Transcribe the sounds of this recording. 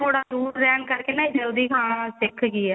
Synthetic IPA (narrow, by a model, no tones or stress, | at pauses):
oːɽaːd̪uːɾɾɛːɳkəɾkeːnaːĩːd͡ʒəld̪iːkʰãːsɪkʰɡiɛː